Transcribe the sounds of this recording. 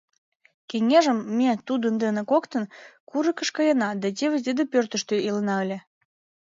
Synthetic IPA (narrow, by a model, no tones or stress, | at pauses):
keŋeʒəmːet̪ud̪ənd̪enĕkokt̪ənkuɾəkə̆ʃkɑjənɑd̪æt̪ʲeβĕzd̪ed̪əpørt̪ə̆ʃt̪øilənɑəlʲĕ